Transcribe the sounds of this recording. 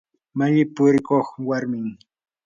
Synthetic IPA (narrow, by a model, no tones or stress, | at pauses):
maʎɪpʊɾɪkoχwaɾmɪŋ